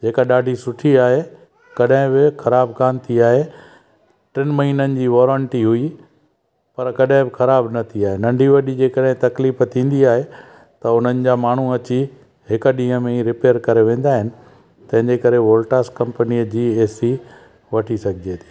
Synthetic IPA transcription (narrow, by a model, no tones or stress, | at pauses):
d͡ʑeːkaɗaːɖʱisʊʈʰiaːɦe | kɐɗɦɪ̃bɪxɐɾaːbkaːnt̪ʰiaːɦe | ʈɪnmɐɦiːnənɪ̆d͡ʑiːʋɔːɾə̃ɳʈiɦui | pɐɾkɐɗɦɪ̃bɪxɐɾaːbnɐt̪ʰiaːɦenɐ̃ɳɖʱiʋɐɗid͡ʑeːkɐɗɦɪ̃t̪ɐkliːft̪ʰĩːn̆d̪iaːɦe | t̪ɐʊn̤ənɪ̆d͡ʑaːmaːɳ̤uɐt͡ɕi | ɦɪkɗĩːɦə̃mẽiɾɪpeːəɾkɐɾeʋẽːnd̪aːɦɪnɪ̆ | t̪ɐ̃ɦɪ̃ɲd͡ʑekɐɾeʋoːlʈaːskɐ̃mpnid͡ʑiːeːsi | ʋɐʈʰisɐɡʱɪd͡ʑeːt̪ʰi̥ː